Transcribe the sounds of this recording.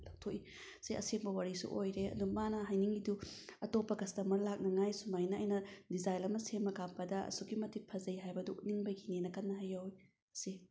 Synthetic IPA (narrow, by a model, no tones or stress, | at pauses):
lak̚tʰoi | seʔɐ̰seŋbɐwaɾisṵʔojɾeɐ̰dumanɐɦajniŋɡiduɐtopːɐɡɐstɐmɐɾlak̚nɐŋajsumajnɐ̰ːjnɐdizajlɐmɐsemɐkampɐdɐɐ̰suɡimɐtʰit̚pʰɐzɐjɦajbɐduuniŋbɐɡinenːɐkɐnːɐɦajowj | ɐsi